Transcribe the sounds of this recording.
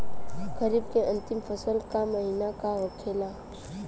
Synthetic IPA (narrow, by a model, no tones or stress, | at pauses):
ɡəɾiːb̚keə̃nt̪ɪmfəsəlkaməɦinakaʋəkʰela